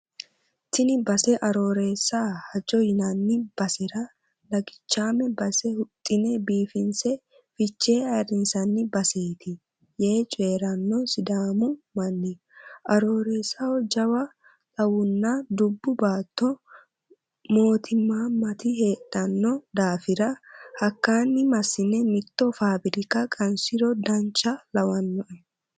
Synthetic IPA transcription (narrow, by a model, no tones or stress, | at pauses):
t̪ɪnɪbɐsɛʔɐɾo̞ːɾe̞ːsːahɐd͡ʒɔjɪnɐnːɪb̥ɐsɪɾɐ | lɐɡɪt͡ʃːaːmɛbɐsɛhʊt̪ʼːɪnɛbiːfɪnsɛ | fɪt͡ʃːeːɐɾɪnsɐnːɪbɐse̞ːt̪ɪ | jeːt͡ʃʼe̞ːɾɐnːɔsɪd̪aːmʊmɐnːɪ | ʔɐɾo̞ːɾesɐwɔd͡ʒɐwɐ | tʼɐwʊnːɐd̪ʊbːʊbaːt̪ːɔ | mo̞ːt̪ʰɪmːaːmɐt̪ɪɦe̞ːt̪ʼːɐnːɔd̪aːfɪɾɐhɐkːaːnːɪmɐsːɪnɛmɪt̪ːɔfaːbɪɾɪkɐkʼɐnsɪɾɔd̪ɐnt͡ʃːɐlɐwɐnːɔʔɛ